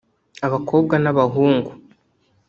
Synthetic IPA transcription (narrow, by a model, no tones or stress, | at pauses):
aβakʰo̞ːbɡanaβaɦuːŋɡu